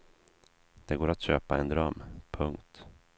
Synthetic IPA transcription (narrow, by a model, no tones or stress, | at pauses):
d̪̥ɛɡoːɾat̪ɕøːpaɛnd̪ɾœmːpʰɵŋkt̪